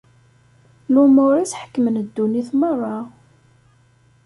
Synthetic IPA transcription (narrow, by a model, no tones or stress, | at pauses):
lumʊɾisħə̥kːəmənəd̪ːuniθmərˤːɑ